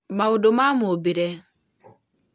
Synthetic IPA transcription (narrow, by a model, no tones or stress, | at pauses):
maodomamobiɾɛ